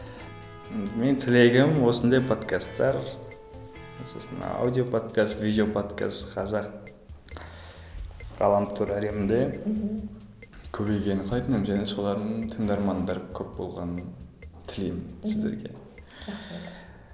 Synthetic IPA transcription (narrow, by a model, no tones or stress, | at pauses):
me̞nt̪ʰɪle̞ɡʲɪmwo̞sənd̪ɑjpʰo̞d̪kʰast̪ːɑɾ | ososənɑ̰a̰wd̪ijo̞pʰo̞d̪kʰast̪vʲijd̪ʲeopʰo̞t̪kʰa̰st̪qʰɑzɑq | ʁɑ̰lˠɑmt̪ʰuɾæɾe̞mɪnd̪e̞ | kʲʰɵbe̞jɡʲe̞nɪɴq̪ʰɑjt̪ənəmʒæne̞so̞lˠɑɾd̪əəɴt̪ʰəŋd̪ɑɾmɑnd̪ɑɾkʲʰɵp̚bo̞̰lˠʁɑnənt̪ʰɪlejmɪnsɪzd̪ḛɾɡʲe̞̰